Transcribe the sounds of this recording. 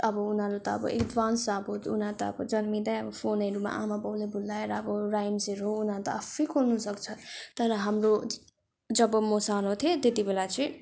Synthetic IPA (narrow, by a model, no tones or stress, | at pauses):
ʌbʌunʌɾut̪ʌʌ̰bʌ̰ḭkɖʋansabot̪unat̪ʌʌ̰bʌd͡zʌnmid̪ʌjʌbʌpʰonʌɾuma̰ʔamabʌwlebʱulːaeɾʌːbʌrajmseɾɦounat̪ʌafikʰornusʌkt͡sʰʌt̪ʌɾʌɦamro | d͡zʌbʌmosanot̪ʰiet̪et̪ibelat͡sʌĩ